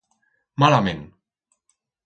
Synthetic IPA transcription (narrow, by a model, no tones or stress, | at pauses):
malamẽn